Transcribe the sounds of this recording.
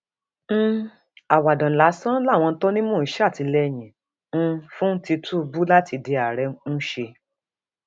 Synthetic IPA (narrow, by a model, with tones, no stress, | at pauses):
n̩˦ | a˨wa˨dɔ̃˨la˨˦sã˦la˦˨w̃ɔ̃˧˦tɔ˦nĩ˦mõː˦˨˦ʃɛ˦a˦˨ti˧lɛ˧j̃ĩ˨˦ | fũ˦ti˧tu˦˧bu˦la˦ti˧de˧a˨ɾɛ˧˦ñ̩˦ʃe˧